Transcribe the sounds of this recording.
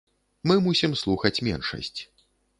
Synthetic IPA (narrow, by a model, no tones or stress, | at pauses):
mɨmusʲimslˠuxɐt͡sʲmʲɛ̰nʂɐ̰sʲt͡sʲ